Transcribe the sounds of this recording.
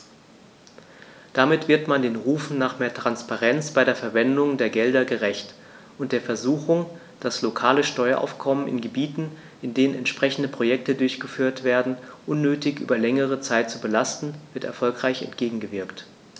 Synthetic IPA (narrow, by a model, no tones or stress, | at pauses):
d̥amɪtv̥ɪɐtmandeːnʁuːfn̩naːχmeːɐtʁ̥anspaʁɛnt͡sb̥aɪɾeːɐfɛɐvɛndʊŋdeːɐɡɛldɐɡəʁɛçt | ʔʊnt̚d̥eːɐfɛɐzuːçʊŋ | d̥aslokʰaːləʃtɔʏɐʔa̰ʊfkʰɔmənɪ̰nɡəbiːtn̩ | ʔɪndeːnənɛntʃpʁ̥ɛçn̩dəpʁ̥ojɛktədʊɐçɡ̥əfyːɐtv̥eːɐdn̩ʔʊnːøːtɪçʔy̰ːbɐlɛŋəʁ̞ət͡saɪt̚t͡subəlastn̩v̥ɪɐtɛɐfɔlkʁ̥aɪçɛ̰ntɡ̥eːɡŋ̩ɡəvɪɐkt